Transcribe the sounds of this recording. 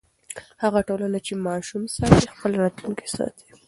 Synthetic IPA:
haɣaʈolanat͡ʃemɑʃumsɑt̪expəlɾɑt̪luŋke̥sɑ̰t̪ʰi̥

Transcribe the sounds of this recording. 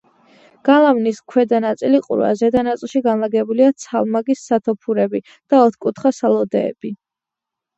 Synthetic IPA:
ɡ̥alˠamniskʰwɛd̪anat̪sʼiliqʼṵɾwa̰zɛd̪anat̪sʼilˠʃiɡanlˠaɡɛbuliat̪sʰalˠmaɡisːat̪ʰɔpʰuɾɛbi | d̪̥aɔt̪ʰkʼut̪ʰχasalˠɔd̪ɛ̰ːb̥i

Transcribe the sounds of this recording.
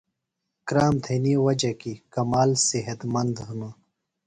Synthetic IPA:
kɾaːmt̪ʰeniwɐd͡ʑɐkikɐmaːlsiɦɐt̪mɐnd̪ɦunu

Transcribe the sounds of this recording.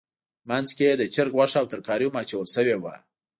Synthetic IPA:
manzked̪ət͡ʃəɾɡwaʂaːwt̪əɾkɑɾimɑt͡ʃawəlʃəwewa̰

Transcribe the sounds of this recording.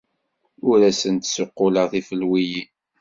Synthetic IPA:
ʊɾæsənt̪sʊqːʊləʁθifəlwiji

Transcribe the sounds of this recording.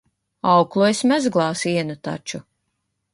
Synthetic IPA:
awklˠujsʲmʲɛzɡlˠɑːsiɛnut̪a̰t͡ʃu

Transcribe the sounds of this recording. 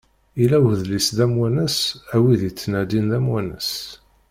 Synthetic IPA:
ilæwəðlisðæmwænəsæwiðit͡sːnæd̪inðæmwænəs

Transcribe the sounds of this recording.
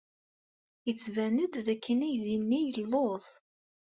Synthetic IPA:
jət͡sːvænəd̪ðækʰːənæjðinːijəlloθ

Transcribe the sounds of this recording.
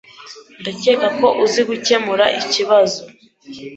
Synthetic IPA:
ndace̞ːkako̞ʔuziɡuce̞muɾaʔiciβazo

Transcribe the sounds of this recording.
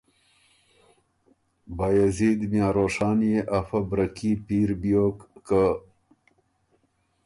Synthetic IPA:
bajazid̪mjɑːɾoːʂɑːnjeʔafɐbɾɐkipiːɾbjokːə

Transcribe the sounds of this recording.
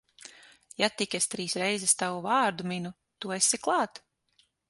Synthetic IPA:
jat̪ikʲest̪ɾiːsɾɛjzɛst̪awuvaːɾd̪uminu | t̪uesiklˠɑːt̪

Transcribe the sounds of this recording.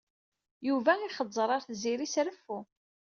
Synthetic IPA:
juvæiχəzˤːɾˤɑɾθziɾisɾəfːu

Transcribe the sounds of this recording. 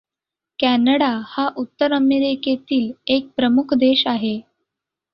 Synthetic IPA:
kænəɽahaʔut̪ːəɾəmeɾeket̪iːlek̚pɾəmukʰd̪eɕaɦe

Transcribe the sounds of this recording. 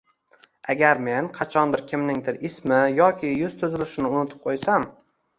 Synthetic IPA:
aɡʲaɾme̞nqʰɑt͡ʃʰɒnd̪ɪɾkʲʰɪmnɪŋd̪ɪɾɪsmɪjɒkʲʰɪjʊz̥t̪ʰʊzɪlɪʃɪnɪʊnɪt̪ʰɪ̥p̚qʰojsam

